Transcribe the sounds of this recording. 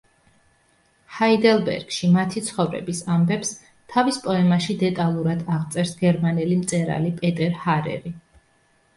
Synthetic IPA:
haid̪ɛlˠbɛ̰ɾɡ̥ʃimat̪ʰit̪sʰχɔvɾɛ̰bisambɛps | t̪ʰavispʼɔɛmaʃid̪ɛt̪ʼalˠuɾad̪aʁt̪sʼɛɾsɡɛɾmanɛlimt̪sʼɛɾa̰lipʼɛt̪ʼɛɾhaɾɛ̰ɾi

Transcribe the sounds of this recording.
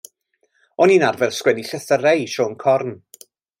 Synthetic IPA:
ɔniːnarvɛrskwɛniɬəθərejʃɔːnkʰɔrn

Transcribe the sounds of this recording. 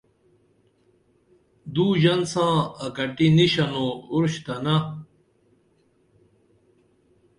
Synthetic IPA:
d̪uːʑɐnsãːɐkɐʈiniɕɐnouɾɕt̪ɐnɐ

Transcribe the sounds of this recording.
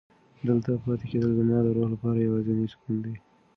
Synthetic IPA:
d̪əlt̪apɑt̪eked̪əld̪ənjɑd̪əɾohlapɑɾajawɑziniskund̪e

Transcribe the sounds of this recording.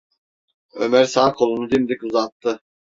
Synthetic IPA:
ø̰mæɾsaːkʰolˠunud̪imd̪ikuzɑt̪ːɯ

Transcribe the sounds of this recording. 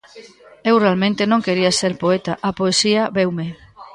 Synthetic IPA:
ewrealmẽnt̪enõŋkeɾiaseɾpoet̪aʔapoesiaβewme

